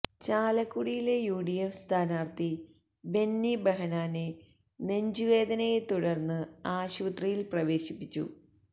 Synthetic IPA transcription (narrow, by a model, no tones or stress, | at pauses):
t͡ɕaːlɐkːuɽijile̞juːɽijɐmst̪ʰaːnaːrt̪i | be̞nːibɐɦɐnaːne | ne̞ɲd͡ʑuʋe̞ːd̪ɐnɐjet̪uɽɐrnːɨaːɕuʋɐt̪rɐjilprɐʋe̞ːɕipːit͡ɕːṵ